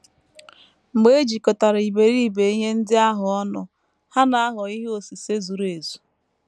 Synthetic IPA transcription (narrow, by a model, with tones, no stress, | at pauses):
ŋ͡m̩˨ɡ͡be˦d͡ʒi˨kɔ˨ta˨ɾi˨be˨ɾi˦i˦˨be˨i˦ɲe˦n̩˦dɪ˦a˦ɦʊ˨ɔ˦nʊ˨ | ha˦na˨a˦ɦɔ˨i˦ɦo˨si˨se˦zu˨ɾe˨zu̥˨